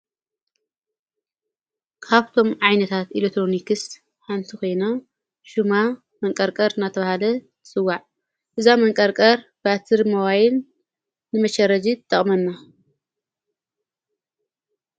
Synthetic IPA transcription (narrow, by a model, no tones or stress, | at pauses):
kʰaβt̪ʰo̞mʕajnɐt̪ʰat̪ʔilet̪ʰɾo̞nikɨst̪ | ħant̪ʰiko̞jna | ʃuma | mɐŋkʼɐɾkʼɐɾɨnːat̪ʰɐβahalɐt̪ʰɨ̥sʼɨwːaʕ | ʔɨzamɐŋkʼɐɾkʼɐɾbat̪ʰɨɾmɐwajɪlː | ɨmɐʃɐɾɐd͡ʒit̪ʰːɐχʼmɐnːa